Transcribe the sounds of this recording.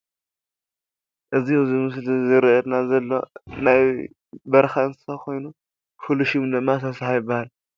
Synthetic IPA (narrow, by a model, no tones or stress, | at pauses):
ʔɨzizimɨslizɨɾʔɛd̪nazɐlːo̞naj | bɐɾxaɨnsɨ̥sakʰo̞jnu | fuluʃumd̪ɨmːasɐsahajɪbːahal